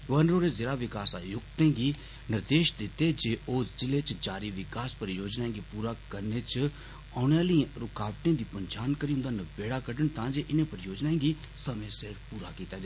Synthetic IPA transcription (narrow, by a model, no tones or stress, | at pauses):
ɡʋənɾoːɾeːzɪɾaːʋɪkaːsa̰ːjʊkt̪ẽːɡiː | nɪɾd̪eːʃd̪ɪt̪ed͡ʒeːʔoːd͡ʒɪleːt͡ʃd͡ʒaːɾiʋɪkaːspəɾjoːd͡ʒnaːẽŋɡipuːɾakəɾneːt͡ʃ | aːnjaːlə̃ɾʊkaːʋʈẽd̪iːpənt͡ʃʰaːnkəɾiɦʊ̃nd̪aːnəbeːɽaːkəɖəɳt̪ãːd͡ʒeːʔɪnẽːpəɾjoːd͡ʒnaːẽːɡiː | səmẽseɾpuːɾa̰ːkiːt̪aːd͡ʒa